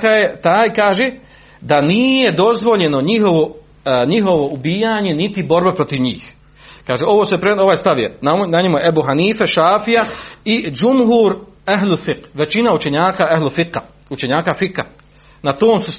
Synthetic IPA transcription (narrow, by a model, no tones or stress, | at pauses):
kajet̪aːjkaːʒeː | d̪aniːje̞d̪o̞zʋo̞ʎe̞no̞ɲiɦo̞ʋo | ɲiɦo̞ʋo̞ubiːjaːɲe̞nit̪ibo̞ɾbapɾo̞t̪iʋɲiːx | kaːʒeo̞ʋosepɾeo̞ʋaːjst̪aʋjenanaɲemujʔebuɦaniːfeʃaːfijaid͡ʒumɦuːɾaɦlulfiqʋe̞t͡ʃinaut͡ʃe̞ɲaːkaaɦlufiqa | ut͡ʃe̞ɲaːkafika | nat̪oːmsus